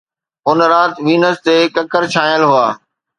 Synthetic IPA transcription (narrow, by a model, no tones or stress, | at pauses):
ʊnɾaːt̪ʋiːnəst̪eːkɐkəɾt͡ɕʰãːjəlɦʊaː